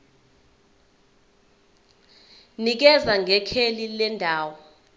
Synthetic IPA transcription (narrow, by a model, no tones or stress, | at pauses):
nik̬ɛzaŋʱɛkʰelilɛndʱaːwɔ